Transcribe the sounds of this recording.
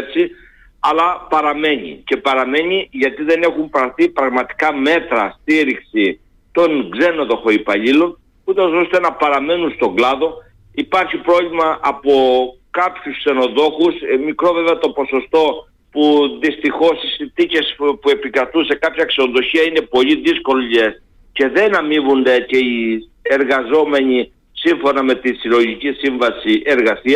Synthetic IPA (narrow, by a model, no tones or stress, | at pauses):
t͡si | ɐlɐpɐɾɐme̞ɲḭce̞pɐɾɐme̞ɲiʝɐt̪iðe̞ne̞xumpɾɐɾθipɾɐɣmɐt̪i̥kɐme̞t̪ɾɐst̪iɾiksi | t̪o̞ŋɡze̞no̞ðo̞xo̞ipɐʎilo | ut̪ɐzo̞st̪enɐpɐɾɐme̞nunst̪o̞ɡlɐðo̞ | ipɐɾçipɾo̞vlimɐʔɐpo̞ | kɐpçuskse̞no̞ðo̞xusmikɾo̞ve̞veɐt̪o̞po̞so̞st̪o̞ | puðist̪ixo̞sisinθice̞spue̞pikɾɐt̪use̞kɐpçɐkse̞noðo̞çiɐine̞po̞ʎiðisko̞ʎes | ce̞ðe̞nɐmivund̪e̞ce̞i | eɾɣɐzo̞me̞ɲi | siɱfo̞nɐme̞t̪isilo̞ʝicisiɱvɐsiʔe̞ɾɣɐsiɐ